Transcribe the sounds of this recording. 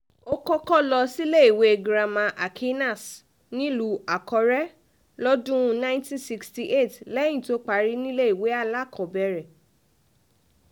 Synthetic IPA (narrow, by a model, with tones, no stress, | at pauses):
o˦kɔ˦kɔ˦lɔ˧si˦le˦i˨we˨ɡɾa˧mã˧ʔa˨kʰi˦na˦˨s | nĩ˦lu˧˦a˨kɔ˨˧ɾɛ˦ | lɔ˦dũ˦˧nã˦tĩ˦nsi˧ksti˧ʔe˦˨tlɛ˦j̃ĩ˦˨to˦k͡pa˧˦ɾi˦nĩ˦le˦i˨we˨˦a˦˨la˦˨kʰɔ˨bɛ˧˨ɾɛ˨